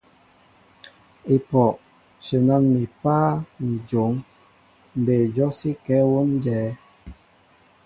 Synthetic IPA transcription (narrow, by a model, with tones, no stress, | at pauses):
i˨pɔ˨ʔ | ʃə˨na˦nmi˨paː˦mi˨d͡ʒo˨˦ŋ | m˨be˨d͡ʒɔ˦si˦kɛ˨˦wo˦nd͡ʒɛː˨˦